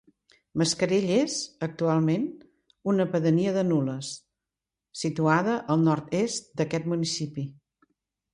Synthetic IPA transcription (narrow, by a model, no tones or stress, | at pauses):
məskəɾeʎezək̚t̪ualˠmen | unəpəðəniəðənuləs | sit̪uaðəʔəlˠnɔɾt̪est̪̚d̪əkɛt̪munisipi